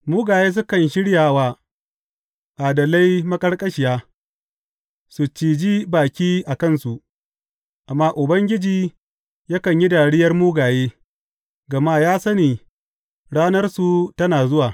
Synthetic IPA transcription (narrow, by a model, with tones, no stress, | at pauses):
muː˦ɡaː˨jeː˦s̬ʊ˦kɐ˨nʃɪ˦ɽjaː˨waː˦ | ʔaː˨dɐ˨la˦jmɐ˦kʼɐ˦rkʼɐ˦ʃɪ˨jaː˦ | su˨t͡ʃiː˨d͡ʒiː˦baː˨kʲiː˦ʔa˨kɐ˦˨nsu˨ʔ | ʔa˨mːaː˦ʔʊ˨bɐ˦ŋɡʲɪ˦d͡ʒiː˨ | jɐ˦kɐ˨ɲji˦da˨ɽɪ˦jɐ˦rmuː˦ɡaː˨jeː˦ | ɡɐ˨maː˦jaː˦sɐ˦niː˨ | ɽaː˦nɐ˦rsu˨tɐ˦naː˨zʊ˦waː˨